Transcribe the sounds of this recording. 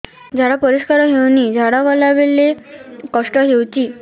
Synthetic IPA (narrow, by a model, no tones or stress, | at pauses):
d͡ʑaɽapəɾiskaɾɦewniːd͡ʑaɽaʋɔlaʋelːekɔʂʈɔɦewt͡ɕiː